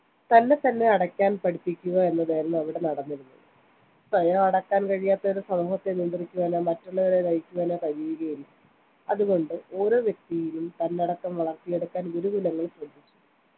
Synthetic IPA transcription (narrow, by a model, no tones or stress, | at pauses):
t̪ɐnːe̞t̪ɐnːe̞ɐɽɐkʲːaːnpɐɽipːikʲːuɣɐe̞nːɐðajɾɐnːɐɐʋiɽe̞nɐɽɐnːiɾunːuɨ | sʋɐjɐɐɽɐkːaːnkɐɻijaːt̪ːɐoɾusɐmuːɦɐt̪ːe̞nind̪rikʲːuʋaːnomɐtːuɭːɐʋɐðenɐjikʲːuʋaːnokɐɾijuɣɐjil | ɐðuɣo̞ɳɖɨo̞ːɾo̞ːʋjek̚t̪ijilumt̪ɐnːeɐɽɐkːɐmʋɐɭɐrk̪ijeɽukːaːnɡuɾuɡulɐŋːɐɭsrɐd̪ʱit͡ɕʲːu̥